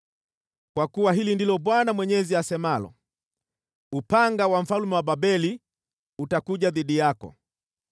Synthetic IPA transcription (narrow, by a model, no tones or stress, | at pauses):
kwakuwaɦilindilɔɓwanamwɛɲɛziasɛmalɔ̰ | upaŋɡawaɱ̩falumɛwababɛli | utakuʄaðiɗijakɔ̰